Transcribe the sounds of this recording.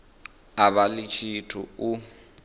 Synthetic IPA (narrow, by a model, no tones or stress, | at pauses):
aβalɪt͡ʃʰitʰʊʊ